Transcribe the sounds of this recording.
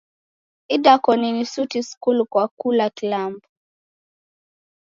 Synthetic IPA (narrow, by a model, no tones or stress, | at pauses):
idakɔninisutiskulkwakulakilambu